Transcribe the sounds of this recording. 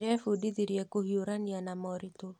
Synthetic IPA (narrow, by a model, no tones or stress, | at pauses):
ɛfodid̪iɾjɛkohjoɾanjanamɔɾit̪o